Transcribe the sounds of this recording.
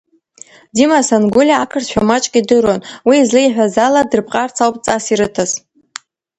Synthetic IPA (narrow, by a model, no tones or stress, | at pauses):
dimasanɡulʲaːkʰɨrtʃᶣamat͡ʃʼkʲʼidɨɾwanwiːzlɨiħᶣʷazaladɨrpʰʼqʼart͡sʰawpʼt͡sʼasiɾɨtʰaz